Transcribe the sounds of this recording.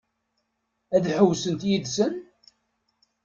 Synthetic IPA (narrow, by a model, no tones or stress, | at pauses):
æðħəwːsənt̪jiðsən